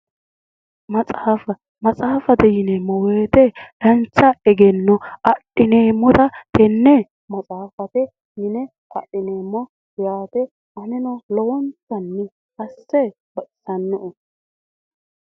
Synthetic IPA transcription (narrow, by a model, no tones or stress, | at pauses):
mɐt͡sʼaːfɐ | mɐt͡sʼaːfɐd̪ɛjɪneːmːɔweːt̪ɛlɐnt͡ʃːɐɛɡɛnːɔɐɗɪneːmːɔt̪ɐt̪ɛnːɛ | mɐt͡sʼaːfɐt̪ɛ | jɪnɛ | ʔɐ̰ɗːɪneːmːɔ | jaːt̪ɛ | ʔɐnɪnɔlɔwɔnt͡sɐnːɪ | kɐsːɛ | bɐʔɪsɐnːʊʔʊ